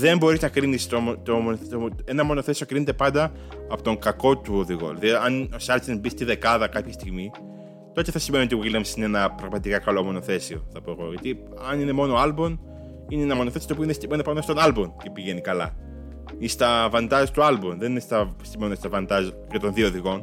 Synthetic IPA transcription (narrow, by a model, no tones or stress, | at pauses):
ðe̞mbo̞ɾiznɐkɾinist̪ot̪omoenɐmo̞no̞θe̞seo̞kɾinet̪e̞pɐnd̪ɐ | ɐpot̪o̞ŋkɐko̞t̪uoðiɣo̰lɐðiɐnosɐɾt͡ʃebist̪iðe̞kɐðɐkɐpçɐst̪iɣmi | t̪o̞t̪eθɐsime̞niot̪iɣilɐmsineenɐpɾɐɣmɐt̪ikɐkɐlo̞mo̞no̞θe̞seo̞̰θɐpoeɣo̞ʝɐt̪i | ɐnine̞mo̞noɐlbon | ineenɐmo̞noθe̞siot̪opoinest̪imenpɐnst̪onɐlboncepiʝe̞nikɐlɐ̰ | ist̪ɐvɐnd̪ɐzt̪uɐlbonðeninest̪ɐsimenunst̪ɐvɐnd̪ɐz | ʝɐt̪onðioðiɣo̞n